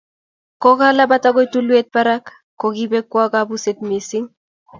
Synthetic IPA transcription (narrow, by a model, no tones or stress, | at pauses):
koɣalabat̪aɣojt̪uluet̪̚paɾak | kːoɣibekːwaɡabuset̪misiŋ